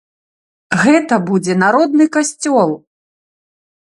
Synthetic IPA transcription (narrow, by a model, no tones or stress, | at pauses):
ɣɛt̪ɐbud͡zʲɛnaɾɔd̪̚nɨkasʲt͡sʲɔlˠ